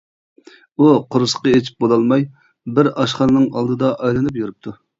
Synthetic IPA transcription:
uqʰʊɾʊsə̥qəet͡ʃʰi̥p̚bolˠɑlˠmɑj | bɪɾɑʃχɑnɨnɨŋɑlˠd̪ɨd̪ɑʔɑjlˠɨnɨp̬juɾɨp̚t̪ʰu

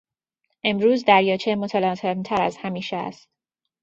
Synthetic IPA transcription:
ʔe̞mɾuːzd̪æɾjɒːt͡ʃʰemot̪ʰɒlɒːt̪ʰemt̪ʰæɾæzhæmiːʃɛæ̰st̪

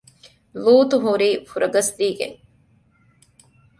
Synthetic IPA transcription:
luːt̪uɦuɾiːfuɾɐɡɐsd̪iːɡḛŋ

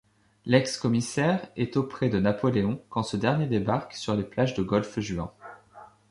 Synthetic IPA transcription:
lɛkskɔmisɛʁɛt̪opχɛd̪ənapɔleɔ̃kɑ̃səd̪ɛʁnjed̪ebaʁksyʁleplaʒd̪əɡɔlfʒɥɑ̰̃

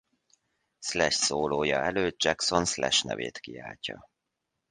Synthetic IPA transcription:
slɛʃsoːloːjɒɛløːt̪̚d͡ʒɛkso̞nslɛʃnɛ̰veːt̪kiaːlcɒ

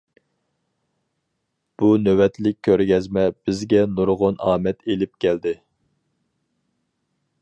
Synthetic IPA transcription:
b̥unøwɛt̪lɪk̚ʲʰːøɾɡʲɛzmɛb̥ɪzɡʲɛnuɾʁʊnɑːmɛt̪ʰelɪp̚kʲʰɛld̪ɪ

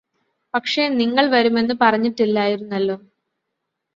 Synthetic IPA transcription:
pɐkʂe̞niŋːɐɭʋɐɾume̞nːɨpɐrɐɲːiʈːilːaːjiɾunːɐlːoː

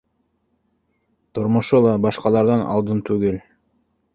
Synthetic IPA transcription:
t̪ʰuɾmuʃulˠɑbɑʃqɑlˠɑɾd̪ɑnɑ̰lˠd̪ɯnt̪ʰuɡel

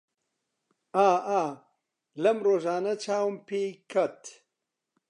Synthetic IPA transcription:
aːʔaː | lɐmroːʒaːnɐt͡ʃʰaːwmpʰeːkʰɐt̪

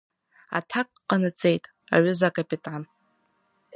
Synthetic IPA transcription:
a̰tʰakʼqʼːanɨt͡sʼe̞jtʼ | a̰ʕʊzakʼapitʼʕan

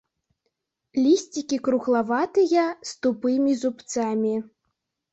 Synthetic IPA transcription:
lʲisʲt͡sʲikʲikɾuɣlˠavat̪ɨjɐst̪upɨmʲizupt̪samʲi

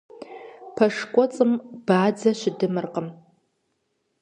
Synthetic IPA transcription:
pʰɐʂkʷʼɔt͡sʼɨmb̥aːd͡zaʃʷɪdɨmɨrqʼəm

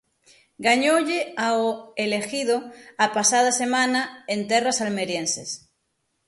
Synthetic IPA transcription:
ɡaɲoʎeaoele̞xiðoapasað̞ase̞mãnaent̪erasalme̞ɾjenses

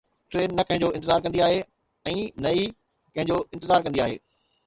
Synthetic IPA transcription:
ʈɾeːnːɐkɐ̃ɦɪ̃ɲ̆d͡ʑoːɪ̃t̪ɪzaːɾk̬ɐ̃nd̪iaːɦe | ɛ̃ːnɐi | kɐ̃ɦɪ̃ɲd͡ʑoːɪ̃nt̪ɪzaːɾkɐ̃nd̪iaːɦḛː

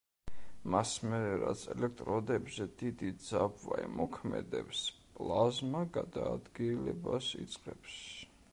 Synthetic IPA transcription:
masmɛɾɛɾat̪sʰɛlɛk̚ʰt̪ʼɾɔd̪ɛbzɛd̪id̪id̪zabvaimɔkʰmɛd̪ɛpspʼlˠazmaɡad̪aːd̪ɡilɛbasit̪sʼqʼɛps

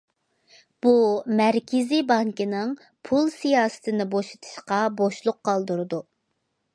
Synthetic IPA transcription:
b̥umæɾkʲʰɪzibɑŋkɪnɨŋ | pʰulˠsijɑːsɨ̥t̪ʰɪnɪboʃe̥t̪ʰɨ̥ʃqɑboʃlˠʊqʰːɑlˠd̪uɾɨd̪u

